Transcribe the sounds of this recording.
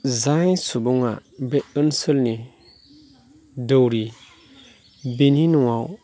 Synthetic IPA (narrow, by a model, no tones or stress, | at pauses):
zasubuŋa̰bɛənsɨlni | dəwɾi | beninuwa